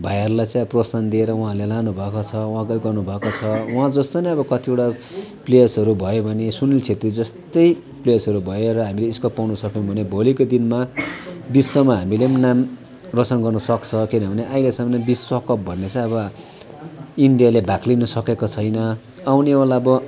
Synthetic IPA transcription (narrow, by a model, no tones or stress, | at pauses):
bʱajarlajt͡sãj̃prosand̪ieɾʌwɦãlelanubʱʌkot͡sʰʌwɦãɡʌjɡʌrnubʱʌkot͡sʰʌwuɦãd͡zʌst̪oniʌbʌkʌt̪ʰieʈa | plejʌsɦʌɾubʱʌjobʱʌnesunilt͡sʰet̪rid͡zʌst̪ʌj | plejʌsɦʌɾubʱʌeɾʌɦamileiskʌpːawnʌsʌkjeõbʱʌnebʱolikod̪inmabisːʌmaɦamilemnam | rʌt͡sʌnɡʌrnʌsʌkt͡sʰʌkinʌbʱʌneʔajlesʌmʌnʌbisːʌkʌp̚bʱʌnːet͡sʌ̃ʌβʌ | inɖijalebʱaklinʌsʌkekot͡sʰʌjnʌ | awnewalaʌbʌ